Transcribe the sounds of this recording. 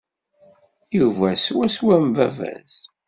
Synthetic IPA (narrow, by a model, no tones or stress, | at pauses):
juvæswæswæmvævæ̰ns